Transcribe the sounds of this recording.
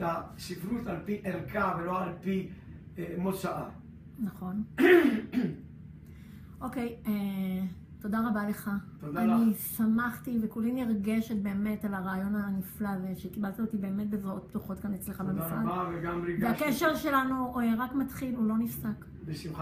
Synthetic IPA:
taʃifɾutalpiʔelkavelo̞alpi | emodʃaʔa | naχo̞n | ʔo̞ke̞je | to̞daʁabale̞χat̪odanisamaχtivekuliniʁɡe̞ʃet̚be̞ːme̞talaʁaːjo̞naniflaveʃekibalt̪aot̪ibe̞eːmet̚bezʁao̞t̚ptuχo̞tkanet͡sleχabemiflaaveɡamʁiɡvakeʃeʁʃe̞lanuʁakmatχilulo̞nifsak | besimχa

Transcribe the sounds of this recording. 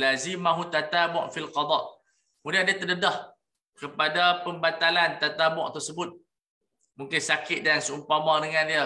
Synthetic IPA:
lazimaɦut̪at̪abʊʔfilqɑd̪ˤɑʔ | mudadət̪ədədɔh | kəpadapəmbat̪alant̪at̪abɔ̰ʔt̪ərsəbʊt̪̚ | mũŋkɪnsakɪt̪̚dansəumpamadəŋãndiə

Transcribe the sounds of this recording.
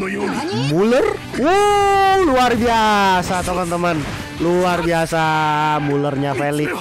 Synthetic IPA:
mulər | u | luarbiasat̪əmant̪əmən | luarbiasamulərɲafelɪk̚

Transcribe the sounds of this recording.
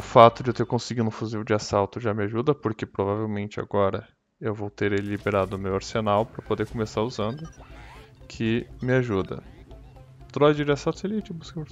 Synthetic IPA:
ʊfat̪ʊd͡ʒɪt̪eɾkõsɪɡid̪ʊ̃fuzivʊd͡ʒɪasawt̪ʊʒamɪaʒud̪ɐpoɾkɪpɾovavewmẽnt͡ʃɪa̰ɡɔɾɐ | ewvowt̪eɾelibeɾad̪ʊːmewoɾsenawpɾɐpod̪eɾkomesaɾuzɐ̃nd̪ʊ | kʰɪmɪaʒud̪ɐ̰ | t̪ɾɔjd͡ʒɪd͡ʒɪasawt̪ʊselit͡ʃɪbusk

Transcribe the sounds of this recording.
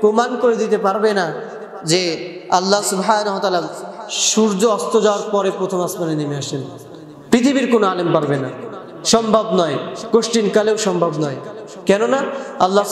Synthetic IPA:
pɾomankoɾed̪it̪epaɾbena | d͡ʑe | alːasubɦajnaɦot̪alaʃuɾd͡ʑoɔst̪od͡ʑaoaɾpɔɾepɾot̪ʰomasmanenemeaʃen | pɾit̪ʰibiɾkonoalempaɾbena | ʃɔmbʱabnɔjkoʃʈinkaleoʃɔmbʱabnɔe | kɛnonaalːa

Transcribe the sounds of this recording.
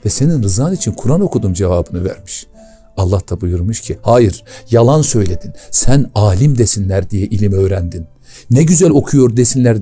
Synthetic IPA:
vɛse̞ninɾɯzaːnit͡ʃʰinkʰuɾano̞kʰud̪umd͡ʒevaːbɯnɯvæ̰ɾmi̥ʃ | alˠːaht̪ʰabujuɾmuʃcʰihaːjiɾ̥jalˠansø̞jlʲe̞d̪insænaːlʲimd̪esinlʲæɾd̪ijɛʔilʲimø̞ːɾænd̪inː | ɛɟyzælʲo̞kʰujo̞ɾd̪esinlʲæɾ

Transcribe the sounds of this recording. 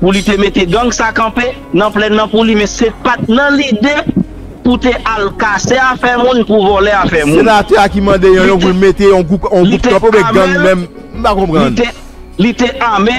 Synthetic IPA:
pulit̪emet̪eɡɐ̃ɡsakɐ̃pe | nɐ̃plɛnːɐ̃pulimɛ̃sepat̪̚nɐ̃lide | put̪ealkaseafɛmũnpuvɔlɛafɛmũenat̪ɛakimɐ̃d̪ejɔ̃jɔ̃p̬ulmet̪eɔ̃ɡupɔ̃ɡuptkãpeõbɛ̃ɡɐ̃ɡmɛ̃m | m̩pakɔ̃pʁɐ̃d̪te | lit̪eʔame

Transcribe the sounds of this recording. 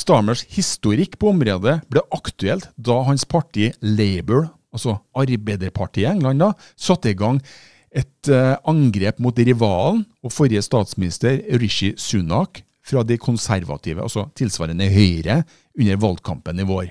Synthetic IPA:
st̪ɑməʂhɪst̪ʊɾɪkːpʰɔʊmɾoːd̪əb̥lɛʔɑkt̪ʉɛlt̪d̪ɑɦɑnspʰɑʈʰiːleɪbəɹ | ɑlsɔɑɾbɛɪd̪əɾpʰɑʈʰiːəɛŋlɑnd̪ɑ | sɑt̪ːəɪɡɑŋ | ɛt̪ɑŋɡɾeːpmuːt̪ɾɪʋɑːln̩ | ɔfɔɾjəst̪ɑːt̪smɪnɪst̪əɾɾɪʃɪsʉnɑk | fɾɑd̪ɛɪkʰʊnsæɾʋɑ̰t̪ʰiːʋə̰ʔɑ̰lsɔt̪ʰɪlsʋɑ̰ːɾənəhœʏɾə | ʉnːəɾʋɑld̪̚kʰɑ̰mpənɪʋoːɾ

